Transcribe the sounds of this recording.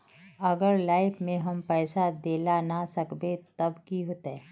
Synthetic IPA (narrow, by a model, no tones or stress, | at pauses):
ɐɡəɾlaːɪpmẽɦɐmpɛːsad̪eːlanasɐkbet̪ɐbkiɦoːt̪aɦɛː